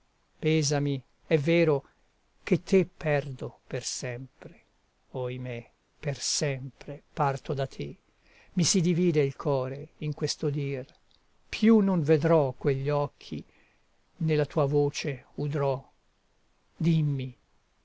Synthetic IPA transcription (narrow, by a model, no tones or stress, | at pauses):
pɛːzami | ɛvːɛːɾo | k̟et̪ʰːepʰːɛrd̪opersɛmpɾe̥ | ojme | persɛmpɾepart̪od̪at̪ʰːe | misid̪iviːd̪eilkʰɔːɾeiŋkwest̪od̪iːr | pʰjunoɱved̪ɾɔkweʎːɔkʰːḭ | nelat̪uːavoːt͡ʃeud̪ɾɔ | d̪imːi